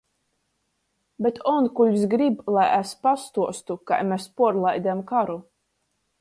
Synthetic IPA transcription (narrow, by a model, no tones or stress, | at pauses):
bʲet̪ʰɔnkuʎʲsɡɾiblˠajæspast̪uɔst̪uka̰jmespuɔɾlˠajd̪ʲɛmkaɾu